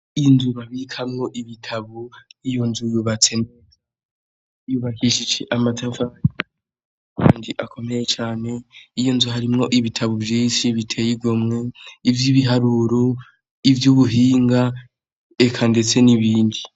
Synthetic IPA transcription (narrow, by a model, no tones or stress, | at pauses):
inzuβaβikʰamŋo̞ʔiβitʰaβoijo̞nzujuβat͡se̞n | juβakiʃid͡ʒeʔamatʰaɱfaji | kʰa̰ːndiʔakʰo̞me̞je̞t͡ʃaːne̞ijo̞nzuhaɾimŋo̞ʔiβitʰaβuvjiːnʃiβitʰe̞jiɡomŋe̞ivjiβiɦaɾuːɾo̞ | ivjuβuɦiːŋɡa | ekʰande̞t͡se̞niβiːndi